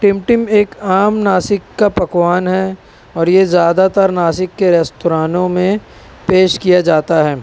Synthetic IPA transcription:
ʈɪ̃mʈɪmeːkaːmnaːsɪkːapɐkwaːnɦɛ | ɔːɾjezjaːd̪at̪əɾnaːsɪkːeɾɛst̪oɾaːnõmẽ | peːʃkijad͡ʒaːt̪aɦɛː

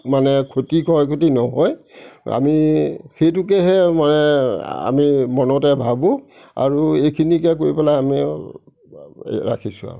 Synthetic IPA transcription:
manɛkʰotikɔɔkʰotinɔɦɔja̰mixejtuk̬ɛɦɛmanɛa̰mimɔnɔtɛbʱabʊ̃a̰ɹuejkʰinikɛk̬oɹipɛlaami | ɹa̰kʰisʊa̰

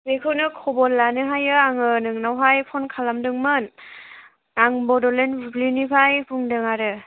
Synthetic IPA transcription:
zekʰɯnɯkʰɔbɔlːanɯɦajɯaŋɯnɯŋnawɦajpʰɔnkʰalamdɯŋmɯn | aŋbɔdɔlenbublinipʰajbʰuŋdɯŋaɾɯ

